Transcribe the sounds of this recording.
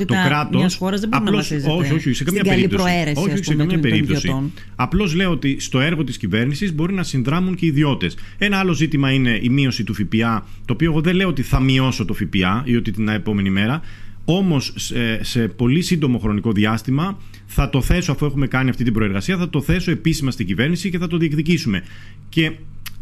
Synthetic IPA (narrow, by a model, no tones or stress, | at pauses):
t̪okɾɐt̪osoɾɐzðebɐɾloszo̞ço̞çioçsekɐmɲɐeipt̪oɾseɾeso̞çioç̥isekɐmɲɐpe̞ɾipt̪o̞si | ɐplo̞zle̞oot̪ist̪o̞e̞ɾɣo̞t̪iscive̞ɾnisizbo̞ɾinɐsinðɾɐmuɲce̞iðio̞t̪e̞se̞nɐɐlo̞zit̪imɐine̞ʔimio̞sit̪ufipiɐ | t̪oːpio̞eɣo̞ðeleoot̪iθɐmio̞so̞t̪o̞fipiɐiot̪it̪inɐepo̞me̞nime̞ɾɐo̞mo̞sese̞po̞lisind̪o̞mo̞xɾo̞niko̞ðiɐst̪imɐ | θɐt̪o̞θe̞soɐfue̞xume̞kɐniɐft̪it̪ibɾo̞e̞ɾɣɐsiɐθɐt̪o̞θe̞so̞e̞pisimɐst̪iɟive̞ɾnisiceθɐt̪o̞ðiekðicisume̞ | ce̞